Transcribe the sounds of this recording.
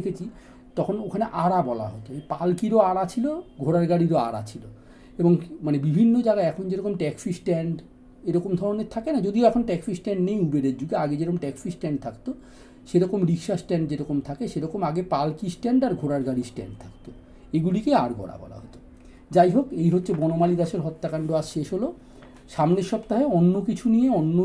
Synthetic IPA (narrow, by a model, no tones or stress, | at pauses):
kʰet͡ɕʰi | t̪ɔkʰonokʰaneʔaɾabɔla̰ɦot̪oepalkiɾoaɾat͡ɕʰiloɡʱoɽaɾɡaɽiɾoa̰ɾa̰t͡ɕʰilo | eboŋmanebibʱinːod͡ʑaɡaeɛkʰond͡ʑeɾɔkomʈɛkfisʈɛɳɖ | eɾɔkomd̪ʱɔɾoneɾt̪ʰakenad͡ʑod̪ioɛkʰonʈɛkfisʈɛɳɖnejubeɾeɾd͡ʑuɡeaɡed͡ʑeɾɔkomʈɛkfisʈɛɳɖ̚t̪ʰakt̪o | ʃeɾɔkomɾikʃasʈɛɳɖd͡ʑeɾɔkomt̪ʰakeʃeɾɔkomaɡepalkisʈɛɳɖaɾɡʱoɽaɾɡaɽisʈɛ̰ɳɖ̚t̪ʰakt̪o | eɡulikeaɾɡʱɔ̰ɽa̰bɔ̰la̰ɦot̪o | d͡ʑajɦokejɦotːɕʰebɔnomalid̪aʃeɾɦɔt̪ːakaɳɖoasʃeʃɦolo | ʃamneɾʃɔbt̪aɦeonːokit͡ɕʰunijeonːo